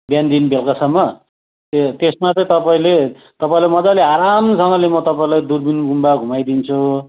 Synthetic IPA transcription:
bjand̪inbelkasʌmːʌ | t̪et̪esmat͡sʌĩt̪ʌpaĩle | t̪ʌpaĩlamʌd͡zaleaɾamsʌŋɡʌlemʌt̪ʌpaĩlajd̪urbinɡumbaɡʱumajd̪int͡sʰu

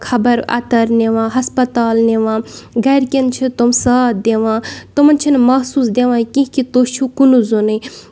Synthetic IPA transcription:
kʰɐbɐɾɐ̰t̪ɐɾneʋãːɦɐspɐt̪aːlneʋãːɡɐjɾkʲint͡ʃʰit̪omsaːt̪̚d̪eʋãːt̪omɐnt͡ʃʰinmɐɦsuːsd̪eʋãːkĩɦkit̪oːʃʰukunuzonɨ

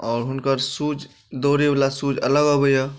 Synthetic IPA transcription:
ɔːɾɦʊnkəɾsuːd͡ʒ | d̪oːɾeʋlasuːd͡ʒɐ̰ləɡɔbəja

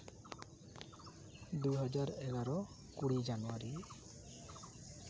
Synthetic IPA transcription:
d̪uɦɔd͡ʒaɾɛɡaɾɔ | kuɽid͡ʒanuaɾi

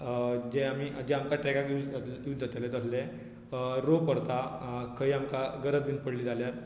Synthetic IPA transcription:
d͡ʑɛ̃amid͡ʑɛ̃amkaʈɾɛkakuud͡zd͡zat̪elet̪əslẽ | ɾopəɾt̪akʰəiamkaɡəɾət͡sbiːnpəɽliːd͡zʱaljaɾ

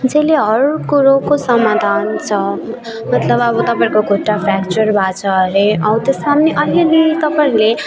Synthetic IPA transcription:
ut͡sʌleɦʌɾukuɾokosʌmad̪ʱant͡sʰʌ | mʌt̪lʌbʌbʌt̪ʌpãẽkoɡʱoʈːapʰakt͡ʃʌrbʱat͡sʰʌɾeʔʌwt̪ʌsmamneʔʌliɾiit̪ʌpaĩle

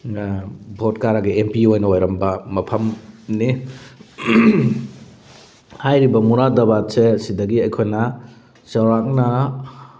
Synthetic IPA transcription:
bʱotkaɾaɡiempiojnɐojɾɐmbɐmɐpʰɐmni | hajɾibɐmuɾadɐbatsesidɐɡiɐjkʰojnɐ | sɐwɾak̚nɐ

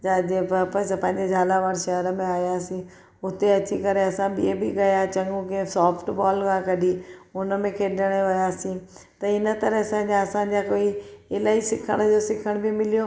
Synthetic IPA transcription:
ad͡ʑepɐ̃sapɐ̃ɦɪ̃ɲd͡ʑed͡ʑʱaːlaʋaːɾʃɐɦəɾəmẽaːjaːsĩ | ʊt̪eɐt͡ɕikɐɾeɐsãbiebɪɡɐjat͡ɕɐ̃ŋɡũkẽsɔːpʰʈbɔːlkãkɐɗiʊnə̆mẽkʰeːɗəɽ̃eʋɐjaːsĩt̪ɐɪnət̪ɐɾəɦsãɦɲd͡ʑãɐsãɲ̆d͡ʑakoːiɪlaːisɪkʰəɽ̃d͡ʑosɪkʰəɽ̃bimɪlijo

